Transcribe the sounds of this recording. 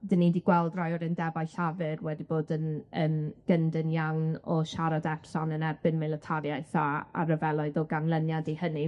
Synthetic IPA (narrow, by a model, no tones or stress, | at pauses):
d̥ənidiɡ̥wɛlˠdrɔjɔɾɪndɛbajɬavɨrwɛdiboːdənəːmɡ̥əndənjawnɔʃaɾadɛr̥sanənɛbɨnmɛlˠətʰaɾjaɨθaa̰ɾəvɛlˠɔɨðɔɡanlˠənjadihəni